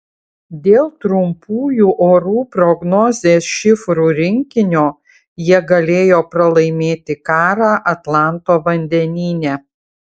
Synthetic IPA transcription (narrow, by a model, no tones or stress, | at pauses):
d̪ʲeːlˠt̪ɾʊmpuːjuːʔoːɾuːpɾɔɡnɔːzʲeːsʃʲɪfɾuːɾʲɪŋʲkʲɪnʲoː | jiɛɡɐlʲeːjoːpɾɐlˠɐɪmʲeːt̪ʲɪkɑːɾɑːʔɐt̪lˠɑˑnt̪oːʋɐnʲd̪ʲɛnʲiːnʲɛː